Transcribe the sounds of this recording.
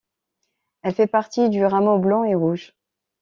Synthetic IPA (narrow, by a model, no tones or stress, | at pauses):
ɛlfɛpaʁt̪id̪yʁamoblɑ̃eʁuʒ